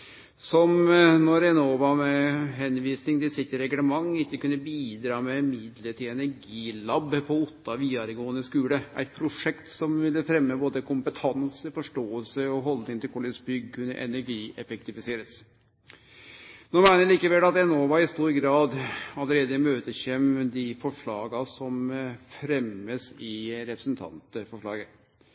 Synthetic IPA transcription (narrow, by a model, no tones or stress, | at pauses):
sɔmnɔɾɛnoːʋɑmɛɦɛnʋiːsnɪŋt̪ɪsɪt̪ːəɾɛɡləmɑŋːɪkːəkʉnːəbiːd̪ɾɑːmɛmɪd̪ləʈ̪ɪɛnæɾɡiːlɑbpʰɔʊt̪ːɑʋiːɑɾɡoːənəskʉːləʔæ̰ɪt̪̚pʰɾʊʂɛkt̪sɔmʋɪlːəfɾɛmːəboːd̪əkʰʊmpət̪ʰɑnsəfɔʂʈoːəlsəɔɦɔld̪ɪŋənʰɪlkʰɔlɪsbʏɡkʰʉnːə̰ʔɛ̰næɾɡiːɛfəkt̪ɪfɪseːɾəs | noːmæɪnəɭiːkəʋɛlːɑt̪ɛnoːʋɑɪst̪uːɾɡɾɑːd̪ɑləɾeːd̪əɪmøːt̪əçɛmd̪ɪfɔʂɭɑːɡɑsɔmfɾɛməsɪɾɛpɾəsnt̪ʰɑ̰nt̪əfɔʂɭɑ̰ːɡə